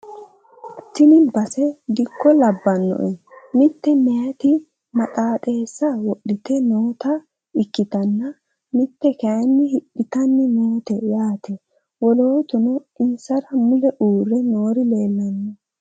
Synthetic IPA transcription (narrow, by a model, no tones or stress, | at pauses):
t̪ːɪnɪbɐsɛd̪ɪkːɔlɐbːɐnːɔ̰ʔɛmɪt̪ːɛmɛjɐt̪ɪ | mɐt̪ʼaːt̪ʼe̞ːsːɐwɔɗɪt̪ɛnoːt̪ɐ | ɪkːɪt̪ɐnːɐ | mɪt̪ːɛkɐjɐnːɪhɪɗːɪt̪ɐnːɪnoːt̪ɛjaːt̪ɛ | wɔloːt̪ʊnɔɪnsɐɾɐmʊlɛʔuːɾːɛno̞ːɾɪle̞ːlːɐnːɛ